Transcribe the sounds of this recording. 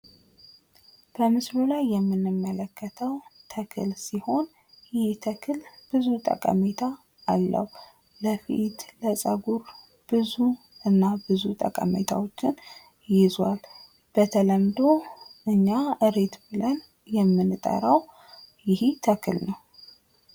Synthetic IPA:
b̥əmɨslulajːɛmːɨnːɨmːələkʰːət̪ʰəwt̪ʰəkʰɨ̰lsiho̞n | jɪht̪ʰəkʰɨlb̥ɨzut̪ʼə̰kʼə̰met̪ʰaː | lːə̰hu | bəfḭt̪ləsʼəɡuɾ | b̥ɨzu | ʔɨnːabɨzut̪ʼə̰kʼə̰mḛt̪ʰa̰wot͡ʃːɪn | jɪzwal | b̥ət̪ʰələmd̪o̞ʔɨɲːaʔɨɾe̞t̪bɨlən | jɛmːɨnt̪ʼə̰ɾaw | jɪhit̪ʰəkʰɨlnəw

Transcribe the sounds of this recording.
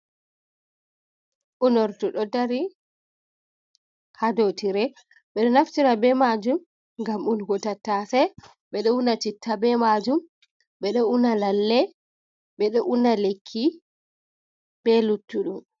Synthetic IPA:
ʔunɔɾtuɗɔdaɾi | hadotiɾɛ | ɓɛɗɔnaftiɾabɛmad͡ʒum | ŋɡamunɡɔtatːasɛ | ɓɛɗɔunat͡ʃitʰːabɛmad͡ʒum | ɓɛɗɔunalalːɛ | ɓɛɗɔʔunalekʰːi | b̥ɛlutːuɗum

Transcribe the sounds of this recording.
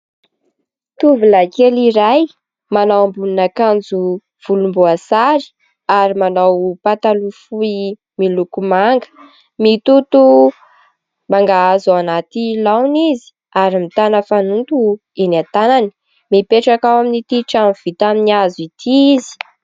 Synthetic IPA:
t̪uvulakeliɾaj | manawambuninakand͡zu | v̥ulumbuasaɾi̥ | aɾimanawpat̪alufui | milukumaŋɡə̥ | mit̪ut̪u | maŋɡaazoanat̪ilawnizi̥ | aɾimit̪anəfanunt̪u | enat̪anani̥ | mipeʈ͡ʂakawaminit̪iʈ͡ʂamv̥it̪aminiazit̪ʰiizi̥

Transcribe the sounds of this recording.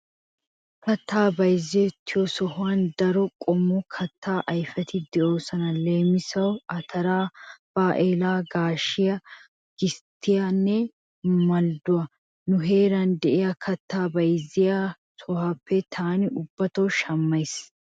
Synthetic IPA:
kɐt̪ʰːaːbɐjzːɪjɔt̪ʰːɪjɔsɔhʊand̪ɐɾɔkʼɔmːɔkʰɐt̪ːaːʔɐjfɛt̪ɪd̪ɛʔo̞ːsɐnɐle̞ːmɪsɐwɐt̪ʰɐɾaːb̥aːʔeːlaːɡaːʃɪjɐ | ɡ̥ɪst̪ːɪjanːɛ | mɐld̪ʊɐ | nʊɦe̞ːɾɐnd̪ɛʔɪjɐkʰɐt̪ʰːaːbɐjzːɪja | sɔhɐpːɛt̪ʰaːnɪʔʊbːɐt̪ɐwʃɐmːɐjs

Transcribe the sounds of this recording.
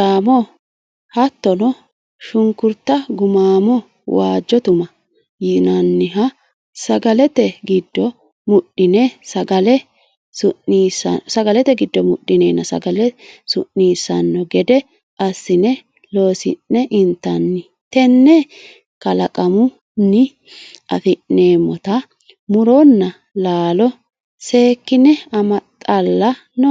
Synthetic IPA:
aːmɔ | hɐt̪ːɔnɔ | ʃʊŋkʊɾt̪ːɐɡʊmaːmɔ | waːd͡ʒːɔt̪ʊmɐ | jɪnɐnːɪɦɐ | sɐɡɐlɛt̪ɛɡɪd̪ːɔ | mʊɗːɪnɛsɐɡɐlɛ | sʊnːisɐ̰sɐɡɐlɛt̪ɛɡɪd̪ːɔmʊɗːɪnɛːnːɐsɐ̰ɡɐlɛsʊʔːiːsɐnːɔɡɛd̪ɛ | ʔɐsːɪnɛ | lo̞ːsɪ̰nːɛʔɪnt̪ːɐnːɪ | t̪ɛnːɛ | kɐlɐkʼɐmʊ | nːɪ | ʔɐ̰fɪʔeːmːɔt̪ɐ | mʊɾɔnːɐ | laːlɔ | se̞ːkːɪnɛɐmɐt̪ʼɐlːɐ | nːɔ

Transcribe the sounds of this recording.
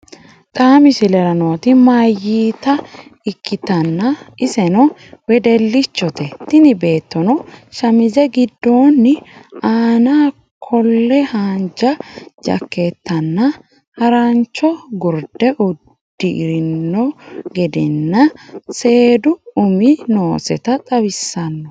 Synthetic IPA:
t̪ʼaːmɪsɪlɛɾɐnɔt̪ɪmaːjiːt̪ɐɪkːɪt̪ɐnːɐɪsɛnɔwɛd̪ɛlːɪt͡ʃːɔt̪ɛt̪ːɪnɪbe̞ːt̪ːɔnɔʃɐmɪzɛɡɪd̪ːoːnːɪaːnaː | kʰɔlːɛhaːnd͡ʒɐd͡ʒɐ̰kːet̪ːɐnːɐ | hɐɾɐnt͡ʃːɔɡɔɾd̪ɛʔɔd̪̥ːɪʔɪɾɪnːɔɡɛd̪ɪnːɐse̞ːd̪ʊʊmɪnoːsɛ̰t̪ɐt̪ʼɐwɪsːɐnːɔ

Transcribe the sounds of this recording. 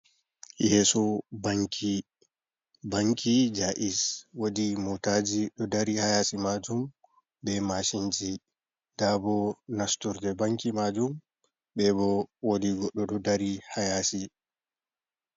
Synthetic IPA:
jɛsɔbaŋk | baŋkʰid͡ʒaʔiswodimotad͡ʒiɗɔdaɾihajasimad͡ʒum | bɛmaʃind͡ʒi | d̥abɔnastɔɾd͡ʒɛbaŋkimad͡ʒum | bɛbɔwodiɡɔɗːɔɗɔdaɾihajaːsi

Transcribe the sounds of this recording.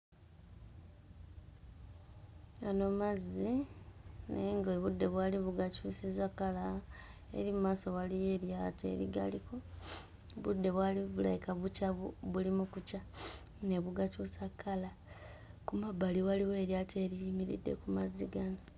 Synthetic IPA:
ano̞mazi | neŋɡeβudːe̞βwaːliβuɡacuːsizakalaḛɾimumaːso̞walije̞ːɾjate̞̰ɾiɡa̰liko̞ | βudːe̞βwaliβula̰jikaβucaβulimukuca | ne̞βuɡacuːsakʰːala | kumabaliwaliwe̞ːɾjate̞ːɾiimiɾḭdːe̞̰kumaziɡano

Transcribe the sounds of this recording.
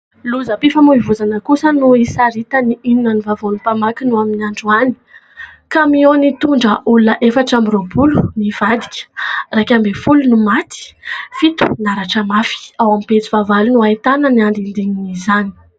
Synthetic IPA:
luzəpifamuivuzanəkusənuisaɾit̪əniininənivavonupamakinuaminiaɳɖ͡ʐuani̥ | kamionit̪uɳɖ͡ʐəʔulunəʔefaʈ͡ʂamiɾobuluniv̥ad̪i̥kʲə̥rakʲambefulunumat̪i̥fit̪u̥naɾaʈ͡ʂəmafi̥awamipet͡sivavalunuait̪anəniand̪ind̪iɲinizani̥

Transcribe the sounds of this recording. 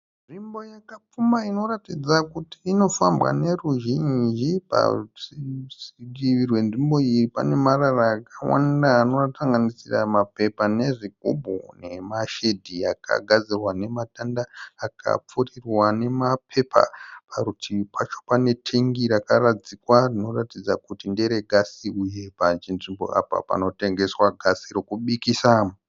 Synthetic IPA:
nʐimbo̞jakap͡fumaino̞ratid͡zakutiːno̞fambwa̰ne̞ruʒind͡ʒipa̰ | siɡiʋirwe̞nʐimbo̞iripa̰ne̞mararaːkawa̰ndaːno̞rataŋɡanisiramape̞pane̞ʐiɡ̚ʱobʱune̞maʃe̞dʱijaka̰ɡʱad͡zirwane̞matandaːkʰa̰p͡furirwane̞mapʰe̞pʰa̰pʰaɾutʰipʰat͡ʃo̞̥pane̞tʰe̞ŋɡiɾakarad͡zikwarino̞ratid͡zakutindeɾeɡʱasiuje̞pat͡ʃinʐimbo̰ʔa̰pa̰pa̰no̞te̞ŋɡe̞swaɡʱasirokuɓikisam

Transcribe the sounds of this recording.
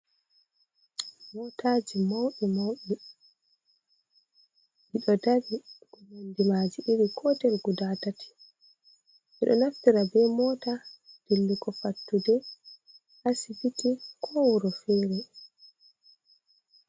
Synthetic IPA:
mɔtʰad͡ʒimowɗɛmowɗɛ | miɗɔdabiɡ̥umundimaːd͡ʒiʔiɾikʰɔtɛlɡudatatʰi̥ | ʔɛɗɔ̰naftiɾabɛmɔːtad̥ilːikɔfatːudɛ | ʔasibitikʰɔwuɾɔfɛːɾɛ

